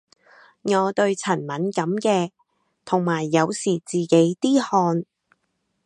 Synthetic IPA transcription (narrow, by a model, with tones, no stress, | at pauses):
ŋɔː˨˧t̪ɵ˧ɥt͡sʰɐ˨˩nmɐ˨˥nkɐ˨˧mkɛː˧ | t̪ʰʊ˨˩ŋmaː˨˩jːɐ˨˧wsiː˨˩t͡siː˨ke˨˥jt̪iː˥hɔː˧n